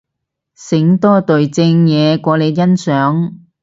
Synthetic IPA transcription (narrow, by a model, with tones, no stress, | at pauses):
sɪ˨˥ŋt̪ɔː˥t̪ɵ˨ɥt͡sɪ˧ŋjɛː˨˧kʷɔː˨˧le˨˧jjɐ˥nsœː˨˥ŋ